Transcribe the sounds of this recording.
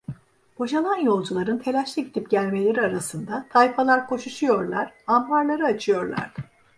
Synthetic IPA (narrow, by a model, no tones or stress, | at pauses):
b̥o̞ʒalˠanjo̞lˠd͡ʒulˠaɾɯnt̪ʰe̞lʲæʃlʲˠiɟit̪ʰipɟælʲme̞lʲe̞ɾiaɾasɯnd̪at̪ʰajpʰalˠaɾkʰo̞ʃuʃujo̞ɾlˠa̰ɾ̥ambaɾlˠaɾɯat͡ʃʰɯjo̞ɾlˠa̰ɾd̪̥ɯ